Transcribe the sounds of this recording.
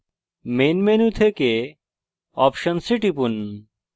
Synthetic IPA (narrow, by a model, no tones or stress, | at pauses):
menmenut̪ʰeke | ɔ̰pʃənsiʈipun